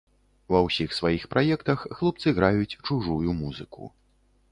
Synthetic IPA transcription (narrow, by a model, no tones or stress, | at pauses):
vɐwsʲixsvajixpɾʔajɛkt̪ɐxːlˠup̚t̪sɨɣɾajut͡sʲt͡ʂuʐujumuzɨkṵ